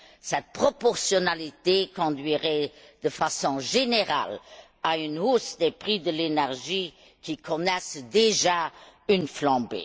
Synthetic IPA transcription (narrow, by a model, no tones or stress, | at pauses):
sɛt̪̚pχɔpɔʁsjɔnalit̪ekɔ̃d̪ɥiʁɛd̪̥əfasɔ̃ʒeneʁa̰l | aynusd̪epχid̪əlenɛʁʒi | kikʰɔnɛsd̪eʒaynflɑ̃bḛ